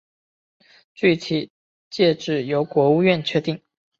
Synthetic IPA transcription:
t͡ɕy˥˩t̪ʰi˨˩ | t͡ɕjɛ˥˧ʈ͡ʂɻ̩˥˩jo˧˥ʊkwɔ˧˥u˥˧ɥɛ˥˨nt͡ɕʰɥɛ˥˧t̪i˥˩ŋ

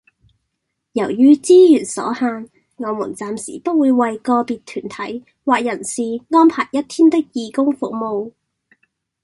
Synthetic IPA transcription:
jɐ˨˩wjyː˥t͡siː˥jyː˨˩nsɔ̰ː˨˥haː˧n | ŋɔː˨˧mṵː˨˩nt͡saː˨msḭː˨˩pɐ˥t̚wuː˨˧jwɐ˨jkɔː˧piː˨t̚t̪ʰyː˨˩nt̪ʰɐ˨˥j | waː˨k̚jɐ˨˩nsiː˨ŋɔː˥npʰaː˨˩jjɐ˥t̚t̪ʰiː˥nt̪ɪ˥k̚jiː˨˧kʊ˥ŋfʊ˨k̚mo˨˧w

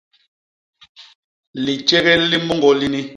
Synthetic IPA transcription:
li˨t͡ʃɛ˦ɣɛ˦li˦mɔ˦ŋɡɔ˨li˦ni˦

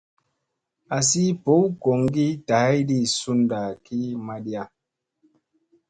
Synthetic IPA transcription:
a˨si˦po˨˦wko˨ŋɡi˦ta˨ha˦jdi˦˨su˦nda˨ki˦ma˦ɗi˦a˦˨

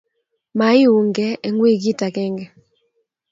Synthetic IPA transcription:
ma˨ɪ˦u˨ŋɡɛ˦e˨ŋwe˦ɡi˦ta˨kɛ˦ŋɡɛ˨

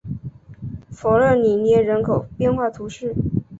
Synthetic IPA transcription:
fo˨˧˥ə˥˩ni˨˩njɛ˥˩ɻə˧˥nkʰo˨˩ʊpjɛ˥˧nxwa˥˩t̪ʰu˧˥ʂɻ̩˥˩

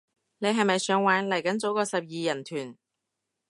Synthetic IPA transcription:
ne˨˧ɦɐ˨jmɐ˨jsœː˨˥ŋwaː˨˥nlɐ˨˩jkɐ˨˥nt͡so˨˥wkɔː˧sɐ˨p̚jiː˨jɐ˨˩nt̪ʰyː˨˩n

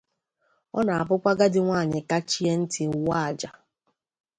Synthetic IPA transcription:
ɔ̰˦na˨a˨p̬ʊ˦kʷa˦ɡa˦dɪ˦ŋʷaː˦˨ɲɪ˨ka˦t͡ʃi˦e˦n̩˦tɪ˨wa˦a˨d͡ʒa˨

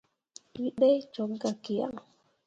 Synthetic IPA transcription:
wi˦ɗe˦jt͡ʃɔ˨˦k̚ɡa˨ki˨ja̰˦ŋ

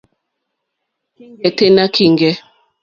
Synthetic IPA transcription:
i˦ŋɡɛ˨te˦na˦kʰi˨ŋɡɛ˦

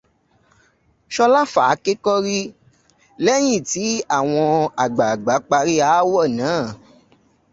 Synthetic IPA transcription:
ʃɔ˧la˦fa˨˦ke˦kɔ˦ɾi˦ | lɛ˦j̃ĩ˦˨ti˨˦a˦˨w̃ɔ̃˧a˨ɡ͡ba˨ɡ͡ba˨˦k͡pa˧ɾi˦a˦wɔ˦˨nãː˨˦˨

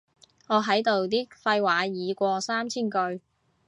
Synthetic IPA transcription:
ŋɔː˨˧ɦɐ˨˥jt̪o˨wt̪iː˥k̚fɐ˧jwaː˨˧jiː˨˧kʷɔː˧saː˥mt͡sʰiː˥nkɵ˧ɥ

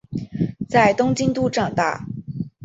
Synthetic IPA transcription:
t͡sa˥˩ɪt̪ʊ˥ŋt͡ɕi˥nt̪u˥˧ʈ͡ʂɑ˥˩ŋt̪a̰˥˩

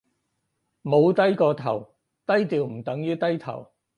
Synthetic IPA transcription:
mo˨˧wt̪ɐ˥jkɔː˧t̪ʰɐ˨˩w | t̪ɐ˥jt̪iː˨˧wm̩˨˩t̪ɐ˨˥ŋjyː˥t̪ɐ˥jt̪ʰɐ̰˨˩w

